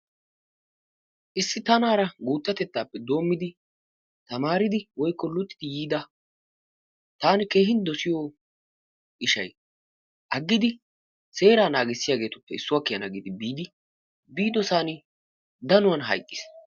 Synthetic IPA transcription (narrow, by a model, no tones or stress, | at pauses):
ʔɪsːɪt̪ɐnaːɾɐɡuːt̪ːɐt̪ɛt̪ːaːpːɛd̪o̞ːmːɪd̪ɪ | t̪ɐmaːɾɪd̪ɪwɔjkːɔlːʊt̪ːɪd̪ɪjiːd̪ɐ | t̪aːnɪke̞ːɦɪnd̪ɔsɪjɔ | ʔɪʃɐj | ʔɐɡːɪd̪ɪ | se̞ːɾaːnaːɡɪsːɪjaːɡe̞ːt̪ʊpːɛɪsːʊwɐːkːɪjɐnɐɡɪd̪ɪbiːd̪ɪ | biːd̪ɔsaːnɪ | d̪ɐnʊwɐnɦɐ̰jkʼːɪ̥s